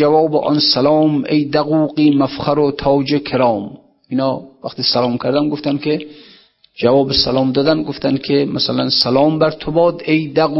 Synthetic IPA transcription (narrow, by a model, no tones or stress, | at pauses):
avɒːbeʔɒ̰nsalɒːmejd̪æɣuːqiːmafχæɾot̪ʰɒːd͡ʒekʲʰeɾɒːm | inhɒːvæχt̪iːsalɒːmkʲʰæɾd̪ænɡoft̪ænkʰe | d͡ʒavɒːbesalɒːmd̪ɒːd̪ænɡoft̪ænkʲʰemasalænsalɒːmbæɾt̪ʰobɒːd̪ejd̪æɣu